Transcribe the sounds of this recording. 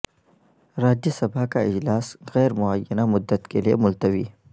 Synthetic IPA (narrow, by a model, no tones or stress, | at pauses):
ɾaːd͡ʒjesɐbʰakaɪ̰d͡ʒlaːsɣɛːɾmʊajːɐnamʊd̪ːət̪keliḛmʊlt̪ɐwḭː